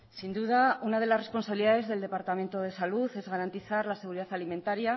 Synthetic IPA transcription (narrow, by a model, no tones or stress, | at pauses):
sind̪uðaunað̞e̞lasre̞spo̞nsaβiliðaðeðe̞ld̪epaɾt̪ame̞nt̪oð̞e̞saluθe̞zɣaɾant̪iθaɾlase̞ɣ̞uɾiðaθalime̞nt̪aɾja